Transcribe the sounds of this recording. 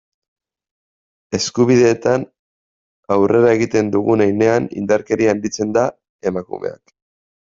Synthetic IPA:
e̞skuβ̞iðe̞ːt̪an | awre̞ɾae̞ɣit̪e̞nd̪uɣunajne̞anḭnd̪aɾke̞ɾiand̪it͡se̞nd̪a | e̞makṵme̞̰a̰k

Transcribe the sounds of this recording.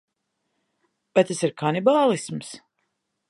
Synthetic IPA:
bajt̪asiɾkʰanibaːlˠisms

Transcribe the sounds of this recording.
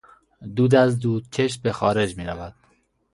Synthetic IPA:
d̪uːd̪æzd̪uːd̪̚t͡ʃʰeʃbexɒːɾe̞d͡ʒmiːɾævæd̪̥

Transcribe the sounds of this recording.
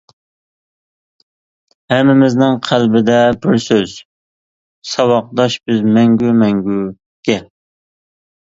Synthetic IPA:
hɛmːɪmɪznɪŋqʰælbɪd̪ɛbɪɾsøz̥ | sɑwɑq̚d̪ɑʃbɪzmɛŋɡʲumɛŋɡʲu | ɡ̥ʲɛ

